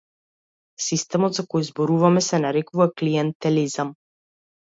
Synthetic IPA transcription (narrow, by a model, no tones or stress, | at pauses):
sist̪ɛmɔd̪zakɔjzbɔɾuvamɛsɛnaɾɛkuvakliɛnt̪ɛlizam